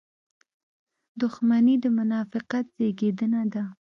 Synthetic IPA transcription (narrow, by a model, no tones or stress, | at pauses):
d̪ʊxmanid̪əmʊnɑfɪqat̪̚z̥eɡed̪ənad̪a